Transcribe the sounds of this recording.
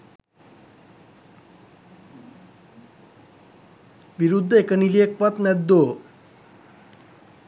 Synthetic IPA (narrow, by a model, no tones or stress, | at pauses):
ʋiɾud̪ʱːəekənilijekʋat̪nɛd̪ːo